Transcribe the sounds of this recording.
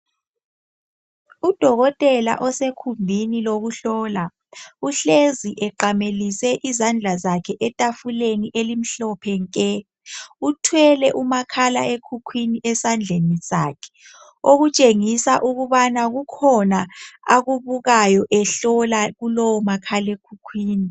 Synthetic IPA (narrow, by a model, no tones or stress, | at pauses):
ud̥ʱɔɣɔtʼɛla̰ʔɔsekʰumbʱiniloɣuɬɔla | uɬeziʔɛǃamelisɛʔizand͡ɮʱazakʰɛʔɛtʼafuleniʔelim̩ɬɔpʰɛŋkʼɛ | utʰwɛlɛʔumakʰala̰ekʰukʰwiniʔɛsand͡ɮʱenisaːkʰɛ̥ | oɣut͡ʃʼeŋisaʔuɣuβanaɣukʰɔnaaɣuβuɣajɔʔɛɬɔlaɣulɔwɔmakʰalekʰukʰwiːni